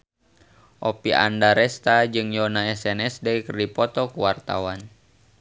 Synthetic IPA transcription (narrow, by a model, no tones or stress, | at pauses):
ʔɔpiʔa̰ndaɾɛst̪ad͡ʒɨŋjɔnaɛsɛnɛsdɛikərdipɔt̪ɔkuwart̪a̰wan